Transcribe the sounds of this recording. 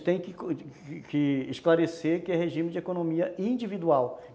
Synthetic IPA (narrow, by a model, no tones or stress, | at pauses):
t̪ẽj̃kɪ | kʰɪːʃklaɾeseɾkɪɛɦeʒĩmɪd͡ʒɪekonõmiɐĩd͡ʒivid̪uaw